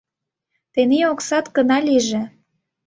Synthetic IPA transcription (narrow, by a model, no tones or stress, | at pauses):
t̪eneoksɑt̪kə̆nɑliʒĕ